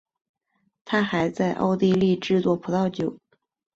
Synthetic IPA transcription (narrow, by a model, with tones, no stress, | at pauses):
t̪ʰa˥xa˧˥ɪt͡sa˥˧ɪʔɑ̰˥˧ʊt̪i˥˧li˥˧ʈ͡ʂɻ̩˥˧t͡swɔ˥˩pʰu˧˥t̪ɑ˥˩ʊt͡ɕjo˨˩˦ʊ